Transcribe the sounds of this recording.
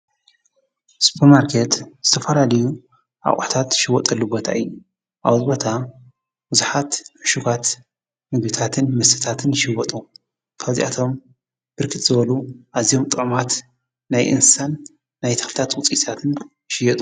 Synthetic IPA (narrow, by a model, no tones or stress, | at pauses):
su̥pʰɐɾmaɾkʰet̪z̥ɨt̪ʰɐfɐlalɐju | ʔa̰kʼʊ̰ħt̪ʰat̪ʃɪwɔt̪ʼɐlːubot̪ʰaʔɨjːu | ʔaβzbo̞t̪ʰa | bɨzuħat̪ħʊʃuɡat̪ | mɨɡbɨt̪ʰat̪ʰɨnmɐsɨt̪ʰat̪ʰɨnʃɪwɔt̪ʼu | kʰaβzḭʔat̪ʰo̞m | b̥ɨɾkʰɨt̪ʼz̥ɨβɐluʔazijo̞mt̪ʼɨʕmat̪ | najʔɨ̰nsanː | ajt̪ʰɐ̥xlɨt̪ʰat̪wʊt͡sʼit̪ʰat̪ʰɨn | ʃɪjɛt̪ʼu